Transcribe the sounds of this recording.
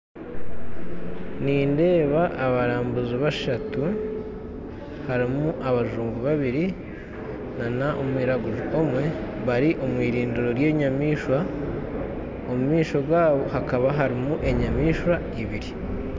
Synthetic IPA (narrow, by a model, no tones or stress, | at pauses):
niːnde̞ːβaʔːβaɾaːmbuziβaʃatu | haɾimuʔaβaʒuːmɡuβaβiɾi | nanaʔomwiːɾaɡuʒuomwe̞βaɾiʔo̞mwiːɾiːnduɾo̞ɾje̞ːɲamiːʃwa | omumiːʃo̞ɡwaːβo̞hakaβaɦaɾimuʔe̞ɲamiːʃwa | iβiɾi